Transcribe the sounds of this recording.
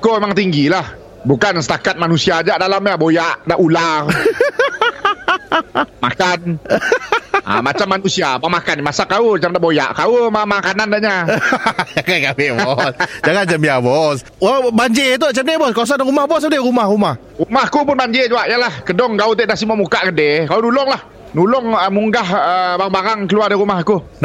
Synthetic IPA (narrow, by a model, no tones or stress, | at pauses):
koemaŋt̪iŋɡilah | bukansə̥t̪akat̪̚manusiad͡ʒaʔdalamjabojaʔdaʔular | ma̰kan | a̰mat͡ʃamːanusiabamakanimasakauat͡ʃamdaʔboja̰ʔkaumamakanandaʔɲa | d͡ʒaŋankabɪbɔsd͡ʒaŋant͡ʃəmbiabɔs | abaɲd͡ʒet̪̬ut͡ʃəmebɔskas̬anrumahbɔsdɛɾumahrumah | ɾumahkupʊnbaɲd͡ʒed͡ʒuaʔjalahkədɔŋkaut̪eʔdasimamukaʔkədekaunulɔŋlah | nulɔŋəmuŋɡahəbaabaɾaŋkəluardaɾumahku